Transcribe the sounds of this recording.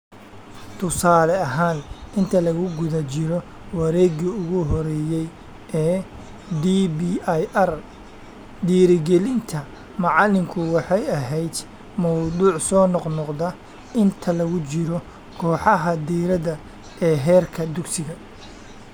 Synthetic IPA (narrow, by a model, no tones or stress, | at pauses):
t̪ʰʊsaːlɛɐɦaːnɪnt̪ʰɐlɐɣʊɡʊðɐt͡ʃɪɾɔ | wɐɾɛːɡiʊɣʊɦɔɾɛːjɛj | ʔɛː | d̪ibijʔɐr | d̪iːɾɪɡɛlɪnt̪ʰɐ | mɑʕɑlɪŋkʰʊwɑħɑjɐɦɛjd̪ | mɔwd̪uːʕsɔːnɔqnɔqd̪ɐ | ɪnt̪ʰɐlɐɣʊt͡ʃɪɾɔ | kʰɔːħɑɦɐd̪iːɾɐðɐ | ɛːɦɛːrkʰɐd̪ʊɡsɪɣɐ